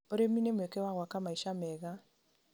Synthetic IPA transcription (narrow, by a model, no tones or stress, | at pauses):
oɾeminemekewaɣwakamaiʃamɛɣa